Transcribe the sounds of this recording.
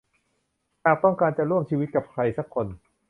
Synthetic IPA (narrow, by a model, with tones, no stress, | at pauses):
t̪ʰaː˨˩k̚t̪ɔ˥˩ŋkaː˧nt͡ɕa˨˩ɾu˥˩əmt͡ɕʰiː˧wi˦t̪̚ka˨˩p̚kʰɾa˧jsa˦˥kʰːo˧n